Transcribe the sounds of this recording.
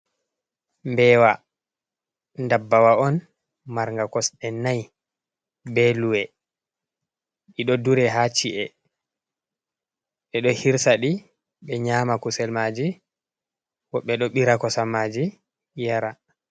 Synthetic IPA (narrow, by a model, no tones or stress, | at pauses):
mbɛːwa | ndabːawaɔn | maɾŋɡakɔsɗɛnaj | bɛluwɛ | ɓiɗɔduɾɛɦat͡ʃiʔɛ | ɓɛɗɔhiɾsaɗi | ɓɛɲaːmakusɛlmad͡ʒi | wɔɓːɛɗɔɓiɾakɔsamad͡ʒi | jaɾa